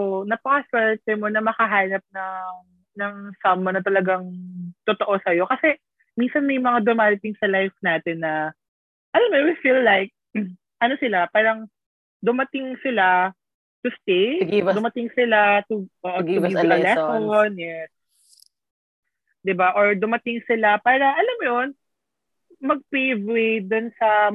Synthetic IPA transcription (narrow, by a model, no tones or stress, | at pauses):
onɐpɐkɐswɛɹt̪ɛmo̞nɐmɐkɐɦaːnɐp̚nɐŋ | nɐŋsɐmːonɐt̪ɐlɐɡaŋt̪ot̪oʔo̞sɐjo̞kɐsɛ | minsɐnmɐjmɐŋad̪omaːlɪt̪ɪŋsɐlajfnaːt̪ɛnːɐ | ʔɐlamɛwifilːajk̚ | ʔɐnosɪlapaːɾɐŋ | d̪ʊmɐt̪ɪŋsɪla | t̪ʊst̪ejɡd̪ʊmɐt̪ɪŋsɪlat̪ʊʔoːʔoʊiɐlɛsonjɛs | d̪ɪbaʔoɹd̪ʊmɐt̪ɪŋsɪlapaːɾɐʔɐlamojon | mɐɡ̚pejvwejd̪ʊnsɐ